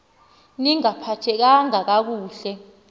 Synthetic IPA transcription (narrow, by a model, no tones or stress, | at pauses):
niŋapʰatʰɛk̬aŋak̬ak̬uːɬɛ